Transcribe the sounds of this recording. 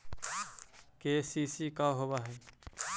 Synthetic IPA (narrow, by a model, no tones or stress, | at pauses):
keːsiːsiːkaːɦoːʋaːɦɛː